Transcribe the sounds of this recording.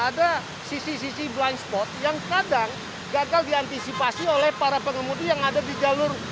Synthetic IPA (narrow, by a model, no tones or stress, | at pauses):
ada | sisis̬isiblanspɔt̪̚jaŋkadaŋ | ɡaɡaldiant̪isipasiolɛhpaɾapəŋəmudijaŋadadid͡ʒalʊr